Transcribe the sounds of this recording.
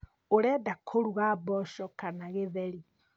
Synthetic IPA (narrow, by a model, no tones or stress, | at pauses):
oɾɛdakʰoɾuɣabɔʃɔkanaɣeðɛɾi